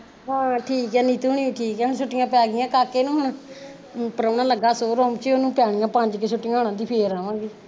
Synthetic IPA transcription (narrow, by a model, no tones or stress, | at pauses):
ɦãːʈʰiːkɛːniːt̪uːɳiːũʈʰiːkɛːonːsʊʈːɪjãːpaːɡɪjãːkaːkːeːnũːɦonãː | pəɾəːnãːləɡːaːsoːɾõːmt͡ʃeːoːnũːpɪjaːɳɪjãːpãːɲd͡ʒkeːsʊʈːɪːãːɦoːɳãːd̪iːpʰeːɾaːʋãːɡeː